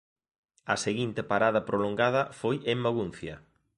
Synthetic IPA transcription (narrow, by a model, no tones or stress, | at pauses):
ɐseɣint̪epaɾaðɐpɾoloŋɡað̞ɐfojemːaɣun̟θjɐ̰